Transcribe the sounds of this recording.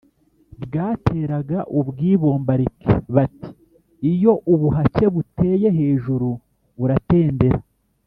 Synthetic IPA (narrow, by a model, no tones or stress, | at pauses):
bɡaːtʰe̞ːɾaɡaʔubɡiːβo̞ːmbaɾikʰḛβati̥ː | jo̞ʔuβuɦace̞βute̞ːje̞ɦe̞ːʒuɾu | βuɾate̞ːnde̞ɾa